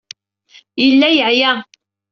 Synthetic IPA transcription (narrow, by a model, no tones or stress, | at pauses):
jəlːæjəʕjæ